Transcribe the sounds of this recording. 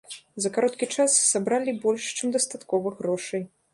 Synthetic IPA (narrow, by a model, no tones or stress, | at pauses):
zɐkaɾɔt̪kʲit͡ʂasːabɾalʲibɔlʲʂt͡ʂɨmd̪ɐst̪at̪kɔvɐɣɾɔʂɐj